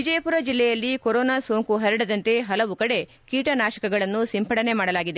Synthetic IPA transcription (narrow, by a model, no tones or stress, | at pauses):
ʋid͡ʒɐjɐpuɾɐd͡ʒilːɛjɐlːikoɾoːnaso̞ːŋkuɦɐɾɐɽɐd̪ɐnt̪eɦɐlɐʋukɐɽe̞ | kiːʈɐnaːʃɐ̥kɐɡɐɭɐnːusimpʰɐɽɐne̞maːɽɐlaːɡid̪e̞